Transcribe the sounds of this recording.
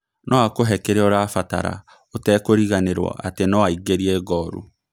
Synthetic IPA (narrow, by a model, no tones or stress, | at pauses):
nʔɔakoɦɛkɛɾeɔɾafata̰ɾa̰ | otɛːkoɾiɣaneɾwɔ̰ʔatenɔaiɡeɾiɛɣɔɾṵ